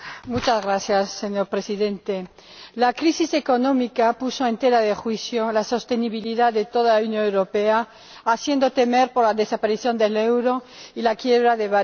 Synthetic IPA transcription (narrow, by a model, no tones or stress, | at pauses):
mut͡ʃazɣɾaθjasːeɲoɾpɾe̞siðe̞nt̪e | lakɾisise̞ko̞nõ̞mikapuso̞ẽ̞nt̪e̞ɾaðe̞xwiθjolaso̞st̪e̞niβiliðaðe̞t̪o̞ðalaunjõnewɾo̞pe̞aː | θje̞nd̪o̞t̪e̞me̞ɾpoɾlaðe̞sapaɾiθjo̞nd̪elewɾo̞ilakje̞β̞ɾaðeβa